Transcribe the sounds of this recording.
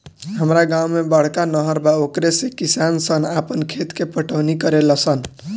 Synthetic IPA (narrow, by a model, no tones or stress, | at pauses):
ɦəmɾaɡawmebəɽ̤kanəɦəɾbaokɾesẽkisansənapənkʰet̪kepəʈʰəwnikəɾeləsən